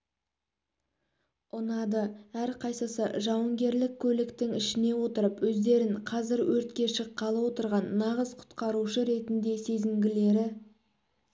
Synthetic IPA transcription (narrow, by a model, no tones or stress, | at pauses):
ʊnɑd̪əæɾqʰɑjsəsəʒɑwəŋɡʲe̞ɾlɪkʲʰːɵlɪkt̪ɪŋɪʃɪne̞wo̞t̪əɾəpwɵzd̪e̞ɾɪɴqʰɑzɪɾwʔɵɾt̪̚kʲe̞ʃəqʰːɑlˠəwo̞t̪əɾʁɑnːɑʁəzqʰʊ̥t̪qɑɾuʃəɾe̞t̪ɪnd̪e̞se̞zɪmɡʲɪle̞ɾɪ